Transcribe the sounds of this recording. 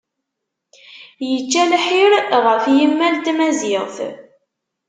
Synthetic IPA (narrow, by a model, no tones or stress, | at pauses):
jət͡ʃːælħiɾʁəfjəmːælt̪mæzɪʁθ